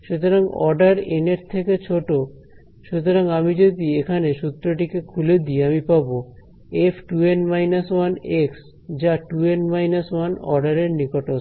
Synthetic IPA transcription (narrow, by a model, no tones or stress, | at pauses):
ʃut̪oɾaŋɔ̰ɾɖaɾeneɾt̪ʰeket͡ɕʰoʈo | ʃut̪oɾaŋamid͡ʑod̪iekʰaneʃut̪ːɾoʈikekʰuled̪ieamipabo | epʰʈuenmajnaswaneks | d͡ʑaʈuenmajnaswanɔ̰ɾɖaɾeɾnikoʈo